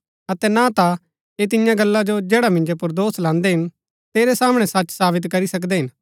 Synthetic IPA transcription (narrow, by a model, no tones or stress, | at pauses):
ɐt̪ɛnat̪a | eːt̪ɪjãɡɐlːad͡ʒod͡ʒɛːɽamɪ̃nd͡ʒopʊɾd̪oːslãːnd̪eɦɪn | t̪eːɾɛsaːmɽ̃ɛsɐt͡ʃsaːbɪt̪kɐɾisɐk̬d̪eɦɪn